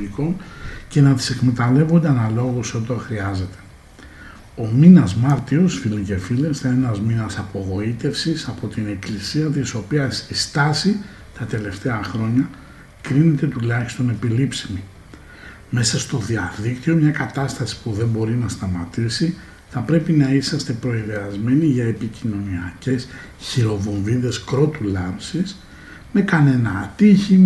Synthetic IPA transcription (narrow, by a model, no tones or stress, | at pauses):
iko̞nce̞nɐði̥se̞kme̞t̪ɐle̞vond̪eɐnɐlo̞ɣuso̞t̪oxɾiɐze̞t̪e̞̥ | o̞minɐzmɐɾt̪io̞sfilice̞file̞sθɐenɐzminɐsɐpo̞ɣo̞it̪e̞fsisɐpo̞t̪ine̞klisiɐt̪iso̞piɐsist̪ɐsi | t̪ɐt̪e̞le̞ft̪e̞ɐxɾo̞ɲɐ | kɾine̞t̪e̞t̪ulɐçi̥st̪o̞ne̞pilipsimi | me̞sɐst̪o̞ðiɐðikt̪io̞mɲɐkɐt̪ɐst̪ɐsi̥puðe̞mbo̞ɾinɐst̪ɐmɐt̪isi | θɐpɾe̞pinɐisɐst̪e̞pɾo̞iɾeɐzme̞niʝɐepicino̞niɐce̞s | çiɾo̞vo̞ɱviðe̞skɾo̞t̪ulɐmsis | me̞kɐne̞nɐːt̪içi